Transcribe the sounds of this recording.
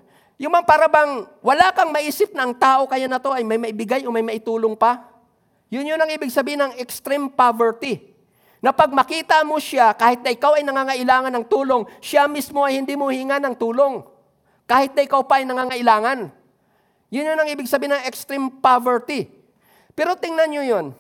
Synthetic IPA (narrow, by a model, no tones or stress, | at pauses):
jʊŋmɐŋpaɾɐbaŋwɐlakɐŋmɐʔiːsɪp̚nɐʔːŋt̪aːʔo̞kɐjanɐt̪o̞ʔɐjmɐjmɐʔɪbɪɡajomɐjmɐʔɪt̪uːloŋpɐ | jʊnjonɐŋʔiːbɪɡsɐbiːhɪnɐŋɛkst̪ɾɛmpavɛɹt̪ | nɐpɐɡ̚mɐkiːt̪ɐmoʃakaːhɪt̪nɐʔɪkawɐjnɐŋaːŋɐʔɪlaːŋɐnɐŋt̪uːlo̞ŋʃamismo̞ɐjhɪnd̪imohiːŋanɐŋt̪uːlo̞ŋ | kaːhɪt̪̚nɐʔɪkawpɐʔɐjnɐŋaːŋɐʔɪlaːŋɐn | jʊnjonɐŋʔiːbɪɡsɐbiːnɐŋɛkst̪ɾɛmpavɛt̪i | pɛːɾo̞t̪ɪŋnɐnɲjojon